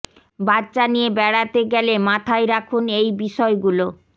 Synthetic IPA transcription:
baɾt͡ɕanijebɛɽat̪eɡɛlemat̪ʰaeɾakʰunejbiʃɔeɡulo

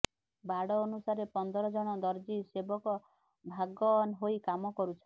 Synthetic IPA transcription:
baɽɔːnusaɾepɔnd̪ɔɾɔd͡ʒɔɽ̃ɔd̪ɔɾd͡ʒisebɔkɔ | bʱaɡɔnɦoikamɔkɔɾut͡ʃʰɔ

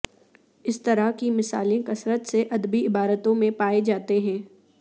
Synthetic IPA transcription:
ɪst̪ɐɾaɦkimɪsaːlẽkɐsɾət̪seʔɐd̪biɪbaːɾət̪õmẽpaːed͡ʒaːt̪eɦɛ̃ː

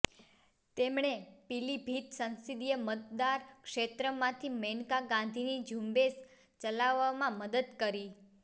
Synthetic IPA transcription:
t̪emɳ̃epilibʱit̪sənsid̪ijəmət̪̚d̪aɾkʃet̪ɾəmãt̪ʰimenkaɡãnd̪ʱinid͡ʒʱumbes | t͡ʃəlaʋːamãməd̪əd̪kəɾi

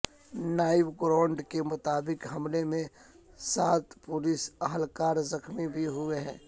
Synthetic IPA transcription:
naːɪʋɡɾãːɳɖkemʊt̪aːbɪkɦɐmlemẽ | saːt̪pʊlɪsɐɦəlkaːɾzɐkmibʱiɦʊeɦɛ̰̃ː

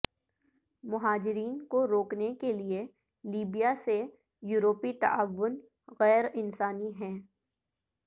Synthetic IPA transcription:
mʊɦaːd͡ʒɪɾiːnkoɾoːknekelie | liːbijase | juːɾoːpit̪ɐ̰aʋːʊn | ɣɛːɾɪnsaːniɦɛ̃ː

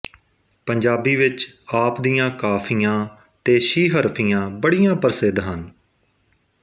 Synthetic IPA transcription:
pəɲd͡ʒaːbiːʋɪt͡ʃaːpd̪ijãːkaːpʰijãː | t̪eːʃiːɦəɾpʰijãːbəɽijãːpəɾsɪd̪ɦən

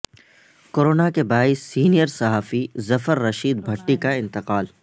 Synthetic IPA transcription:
koːɾoːnakebaːɪsːiːnijəɾsɐɦaːfizɐfəɾːɐʃiːd̪bʱɐʈːikaɪ̃nt̪ɪqaːl

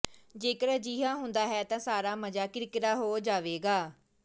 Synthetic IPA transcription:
d͡ʒeːkəɾd͡ʒiːɦãːɦʊnd̪aːɦɛːt̪ãːsaːɾaːməd͡ʒaːkɪɾɪkəɾaːɦoːd͡ʒaːʋeːɡaː

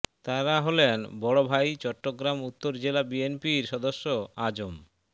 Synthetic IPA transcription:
t̪aɾaɦolenbɔɽobʱajt͡ɕɔʈːoɡɾamut̪ːoɾd͡ʑelabienpiɾʃɔd̪oʃːoad͡ʑom

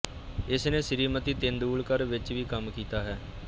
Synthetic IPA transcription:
ɪsnẽːsɪɾiːmət̪iːt̪end̪uːlkəɾʋɪt͡ʃʋiːkəmkiːt̪aːɦɛː

